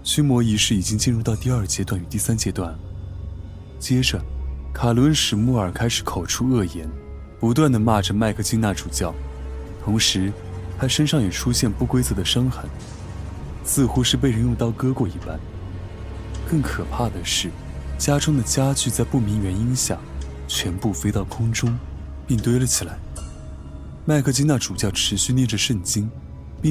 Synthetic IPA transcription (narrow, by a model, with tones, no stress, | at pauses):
t͡ɕʰy˥mwɔ˧˥i˧˥ʂɻ̩˥˩i˨˩t͡ɕi˥ŋt͡ɕi˥˧nɻu˥˧t̪ɑ˥˧ʊt̪̬i˥˧ɐ˞˥˩t͡ɕjɛ˥t̪wa˥˩ny˨˩t̪i˥˩sa˥nt͡ɕjɛ˥t̪wa˥˩n | t͡ɕjɛ˥ʈ͡ʂə˨˩kʰa˨˩lwə˧˥nʂɻ̩˨˩mu˥˩ə˞˨˩kʰa˥ɪʂɻ̩˨˥kʰo˨˩ʊʈ͡ʂʰu˥ɤ˥˩jɛ˧˥n | pu˧˥t̪wa˥˩nd̪ə˩ma˥˩ʈ͡ʂə˩ma˥˧ɪkʰɤ˥˧t͡ɕi˥ŋna˥˩ʈ͡ʂu˨˩t͡ɕjɑ˥˩ʊ | t̪ʰʊ˧˥ŋʂɻ̩˧˥ | t̪ʰa˥ʂə˥nʂɑ˥˩ŋjɛ˨˩ʈ͡ʂʰu˥ɕjɛ˥˧npu˥˩kwe˥ɪt͡sɤ˧˥d̪ə˧ʂɤ˥ŋxə˧˥n | sɹ̩˥˧xu˥ʂɻ̩˥˧p̬e˥˩ɪɻə˥ŋjʊ˥˧ŋt̪ɑ˥˩ʊkɤ˥kwɔ˥˩i˥˩pa˥n | kɤ˥˩ŋkʰɤ˨˩pʰa˥˩d̪ə˩ʂɻ̩˥˩t͡ɕja˥ʈ͡ʂʰʊ˥ŋd̪ə˨t͡ɕja˥t͡ɕy˥˧t͡sa˥˧ɪpu˥˩mi˧˥ŋɥɛ˧˥ni˥ŋɕja̰˥˩ŋ | t͡ɕʰɥɛ˧˥npu˥˩fe˥ɪt̪ɑ˥˩ʊkʰʊ˥ŋʈ͡ʂʊ˥ŋ | pi˥˩ŋt̪we˥ɪlə˨t͡ɕʰi˨˩la˧˥ɪ | ma˥˧ɪkʰɤ˥˧t͡ɕi˥ŋna˥˩ʈ͡ʂu˨˩t͡ɕjɑ˥˩ʊʈ͡ʂʰɻ̩˧˥ɕy˥˧njɛ˥˩nʈ͡ʂə˩ʂə˥˩nt͡ɕi˥ŋ | pi˥˧